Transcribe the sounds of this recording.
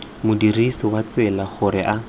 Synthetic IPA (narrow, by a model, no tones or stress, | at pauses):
mʊdirisɔwat͡sɛlaχʊɾɪʔa